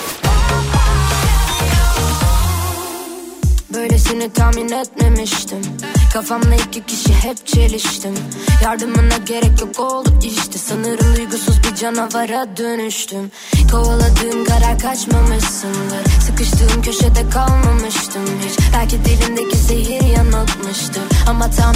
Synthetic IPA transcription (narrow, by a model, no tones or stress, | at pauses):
bø̞jlʲɛsenit̪ʰaːminɛt̪̚me̞miʃt̪ʰimkʰafamd̪ˠaicicʰiʃiɦɛp̚t͡ʃʰe̞lʲiʃt̪imjaɾd̪ɯmɯnaɟe̞ɾɛclɛp̚olˠupiʃt̪ʰisɯnɯɾɯnujɡusuzbid͡ʒanavaɾad̪ø̞nyʃt̪ʰym | kʰowalˠad̪ɯːnkaɾakʰat͡ʃmamɯʃsɯnlˠaɾsɯkɯʃt̪ʰɯːɯmcʰø̞ʃed̪ɛkʰalˠmamɯʃt̪ʰɯmbiɾb̥ælʲcid̪ilʲind̪ecʰise̞ɦiɾjanɯlˠt̪mɯʃt̪ʰɯmamat̪ʰam